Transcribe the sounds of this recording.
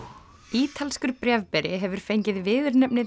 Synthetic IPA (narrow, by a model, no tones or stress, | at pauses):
iːt̪ʰalskʏɾpɾjɛvpɛɾɪɦɛvʏɾ̥fejɲcɪðvɪːðʏɾnɛpnɪ